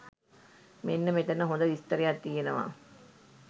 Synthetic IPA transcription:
menːəmet̪ɐnːəɦõnd̪əʋist̪ɐɾejat̪ːijenəʋa̰ː

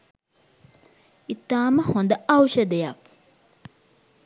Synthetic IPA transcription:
it̪ːaːməhond̪əawʃəd̪ejak̚

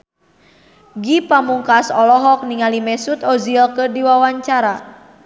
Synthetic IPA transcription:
ɡipamuŋkasɔlɔɦɔk̚niŋalimɛsut̪ɔzilkɨrdiwawaɲt͡ʃaɾa

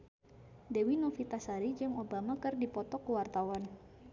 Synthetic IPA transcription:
dewinofit̪asaɾid͡ʒəŋobamakɨrdipɔt̪ɔkəwart̪awan

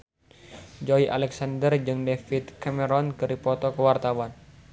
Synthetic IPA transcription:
d͡ʒɔiʔa̰lɛksandərd͡ʒɨŋdefit̪̚kaməɾɔnkɨɾipɔt̪ɔkəwart̪awan

